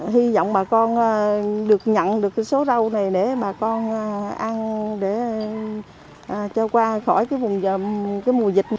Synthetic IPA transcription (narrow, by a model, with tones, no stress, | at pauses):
ɦi˧zɔ̰˧˨wŋ͡mɓaː˨˩kɔ˧nː˨˩ɗɨ˨˩ək̚ɲə̰˧˨nɗɨ˨˩əkːaː˨˦jso˨˦zə˧wna˨˩jɗe˧˩ɓaː˨˩kɔ˧nː˨˩ʔa˧nɗe˧˩ | ʔːt͡ɕɔ˧kwaː˧xɔ˧˩jkaː˨˦jvʊ˨˩ŋ͡mkaː˨˦jmu˨˩əzi˨˩t̟̚